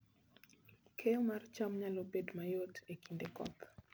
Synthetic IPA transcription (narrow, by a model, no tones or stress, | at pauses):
kʰeomart͡ʃamɲalobedmajotekindekɔ̰k